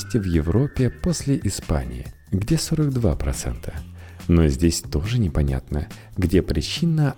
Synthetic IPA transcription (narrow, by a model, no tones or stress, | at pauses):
sʲtʲɪvjɪvɾo̞pʲːɪpo̞sʲlʲɪʔɪspa̰nʲɪ̰ɪ̰ | ɡdʲe̞soɾəɡd̪vapɾɐ̰t̪sɛ̰nt̪ʰə̥ | nozʲdʲesʲt̪o̞ʐɨnʲɪpɐnʲa̰t̪nə | ɡdʲepɾʲɪt͡ɕinːə